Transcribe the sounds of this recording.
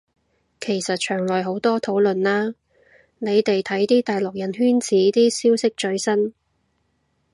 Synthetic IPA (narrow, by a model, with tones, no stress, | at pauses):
kʰe˨˩jsɐ˨t̚t͡ʃʰœː˨˩ŋlɔː˨jɦo˨˥wt̪ɔː˥t̪ʰo˨˥wlɵ˨nlaː˥ | ne˨˧jt̪e˨jt̪ʰɐ˨˥jt̪iː˥t̪aː˨jlʊ˨k̚jɐ˨˥nɦyː˥nt͡sʰiː˨˥t̪iː˥siː˥wsɪ˥k̚t͡ʃɵ˨˥ɥsɐ˥n